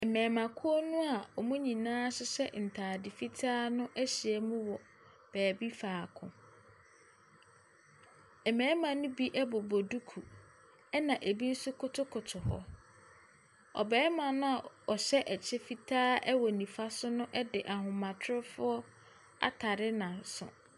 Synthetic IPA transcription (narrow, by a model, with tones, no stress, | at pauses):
ɛ˨mɛ̃ː˨mã˨kʰʊ˦ɔ˦nʊ̃˦a˨ɔ˨mũ˦ɲĩ˨nãː˦sʊ˦sɛ̰˦n̩˨tʰaː˨dɪ˨fi˦tʰaː˦nʊ̃˦ʔæ˦ɕi˨ɛ˦mũ˦wɔ˨ | b̥ɛː˨bi˦faː˨kʰʊ̰̃˨ | ɛ˨mɛ̃ː˨˦mã˨nʊ̃˦bi˦ʔɛ˦bo˨bo˨du˦kʰu˨ | ɛ˦nã˨ʔe˨bi˦n̩˦sʊ˦kʰʊ˦tʰʊ˦kʰʊ˨tʰʊ˨hɔ̰˦ | ɔ̰˨bɛː˨˦mã˨nʊ̃˦a˨ɔ˨ɕɛ˦ʔɛ˨t͡ɕʰɪ˦fi˦tʰaː˦ɛ˦wɔ˨nĩ˨fa˦sʊ˦nʊ̃˦ʔɛ˦dɪ˨ʔa˨hʊ̃˨mã˨tʰʊ˦ʊ˦fʊ˦ɔ˦ | a̰˦tʰa˨ɾɪ˦nã˨sʊ̰˨